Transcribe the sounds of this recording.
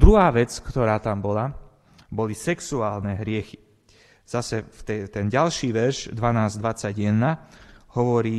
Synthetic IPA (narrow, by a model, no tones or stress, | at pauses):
d̪ɾuɦaːʋɛt͡skt̪ɔɾaːt̪ambɔla | bɔlisɛksuaːlnɛɦɾɪɛxi̥ | z̥asɛft̪ɛt̪ɛnɟalʃiːʋɛɾʃd̪ʋanaːzd̪ʋat͡sːaɟjɛd̪nahɔʋɔɾiː